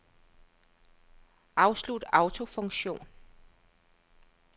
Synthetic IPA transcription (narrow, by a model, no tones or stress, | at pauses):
ʔɑ̈ʊslud̥ɑ̈ʊt͡sʰo̝fɔ̽ŋɕo̝̰ːn